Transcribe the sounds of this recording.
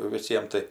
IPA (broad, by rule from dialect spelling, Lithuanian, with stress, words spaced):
ʋʲɪˈsʲiɛm tɐɪ